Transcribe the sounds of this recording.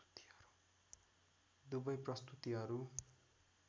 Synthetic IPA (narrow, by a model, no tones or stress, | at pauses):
u̥t̪i̥ʌɾu̥ | d̪ubʌjprʌst̪ut̪iɦʌɾu